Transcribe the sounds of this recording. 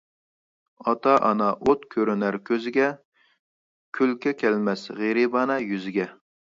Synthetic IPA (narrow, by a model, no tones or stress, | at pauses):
ɑt̪ɑʔɑnɑʔot̪kʲʰøɾynæɾkʲʰøzɪɡʲɛ | kʲʰylkʲɛkʲʰɛlmɛsʁeɾibɑnɑjyzɪɡʲɛ